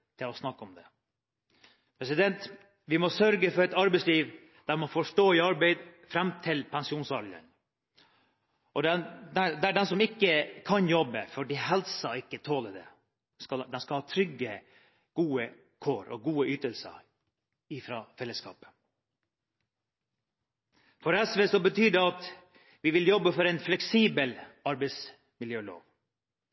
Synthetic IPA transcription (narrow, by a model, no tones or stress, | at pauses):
t̪ʰɪlɔsnɑkːɔmd̪ɛ | pʰɾɛsɪd̪ɛnt̪ | ʋɪmɔsœɾɡəfɔɾɛt̪ɑɾbɛɪsliːʋ | d̪æɾmɔfɔʂʈoːɪɑɾbeɪd̪fɾɛmt̪ʰɪlpʰɛnsɪuːnsɑɾlə̰n | ɔd̪ɛnd̪æd̪æɖɛnsɔmɪkːəkʰɑnjɔbəfɔɖiɦɛlsɑɪkːət̪ʰoːləd̪ɛ̰ | skɑd̪ɛnskɑlhɑːt̪ʰɾʏɡːə | ɡ̥uːə | kʰoːɾʔɔ̰ɡuːəyːt̪əlsə̰ | ɪfɾɑːfɛlːəskɑ̰ːpə̥ | fɔɾɛsʋeːsɔbət̪ʰyːd̪ɛɑt̪ | ʋɪʋɪljɔbːəfɔɾɛɪnflɛksiːbəlɑɾbɛɪs | mɪljøːlo̰ːʋ